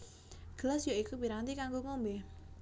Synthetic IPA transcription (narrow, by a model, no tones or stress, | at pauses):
ɡ̥əlasjoikubiɾant̪ikaŋɡoŋombe